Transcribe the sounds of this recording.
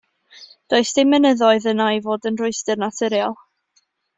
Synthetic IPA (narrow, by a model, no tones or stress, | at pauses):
d̥oːɨsd̥emənəðɔɨðənajvoːdənrʊɨstərnatʰɪɾjalˠ